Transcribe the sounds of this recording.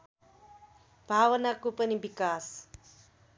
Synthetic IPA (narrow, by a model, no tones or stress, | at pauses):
bʱaːʋənakupənibikaːs